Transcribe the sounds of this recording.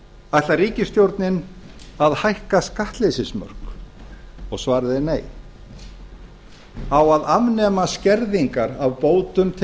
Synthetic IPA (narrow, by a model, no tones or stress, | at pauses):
ajht̪lariːcɪst̪jowɾt̪nɪn | aðhajhkaskaht̪lejsɪsmœ̰r̥k | ɔɣsvaːɾðɪneːj | awaðavnɛːmascɛɾðiŋkaɾavpoːwt̪ʏmt̪ʰ